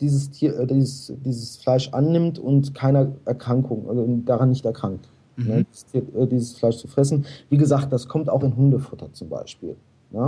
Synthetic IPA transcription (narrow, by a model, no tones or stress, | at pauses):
d̥iːzəstʰiːɐʔɛdiːzəsd̥iːzəsflaɪʃʔa̰nːɪmtʊntkʰaɪnɐʔɛɐkʁ̥aŋkʰʊŋʔd̥aʁanːɪçtɛɐkʁ̥aŋk̚t | nədiːzəstʰiːɐɛːdiːzəsflaɪʃt͡sufʁ̥ɛsn̩viːɡəzaːk̚t̚d̥askʰɔmta̰ʊxɪnɦʊndəfʊtʰɐt͡sʊmba̰ɪʃpḭːl | nə